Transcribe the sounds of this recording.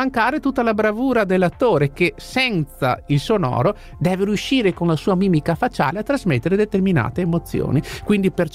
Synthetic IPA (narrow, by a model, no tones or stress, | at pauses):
aŋkaːɾet̪ut̪ːalabɾavuːɾad̪elːat̪ːoːɾekesɛnt̪sa̰ilsonɔ̰ːɾo | d̪ɛːveɾjuʃiːɾekonlasuːamiːmikafat͡ʃa̰ːleat̪ːɾazmet̪ːeɾed̪et̪ermina̰ːt̪eːmot̪sːjo̰ːnikwind̪iper